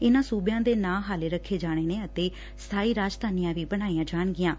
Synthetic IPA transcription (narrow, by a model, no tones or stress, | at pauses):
ɪnãːsuːbjãːd̪eːnãːɦaːleːɾəkʰːeːd͡ʒaːɽ̃eːneːət̪eː | st̪ʰaːiːɾaːd͡ʒd̪aːnɪjãːʋiːbəɽ̃aːiːãːd͡ʒaːɳɡɪjãː